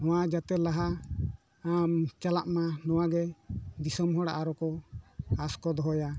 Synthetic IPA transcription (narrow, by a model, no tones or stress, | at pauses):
nɔwad͡ʒat̪ɛlaɦa | amt͡ʃalaʔmanɔwaɡɛd̪isɔmɦɔɽa̰ʔaɾɔkɔ | askɔd̪ɔɦɔja